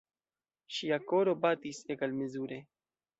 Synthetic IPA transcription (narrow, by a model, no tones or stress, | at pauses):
ʃiako̞ɾo̞batisekalmezuɾe̞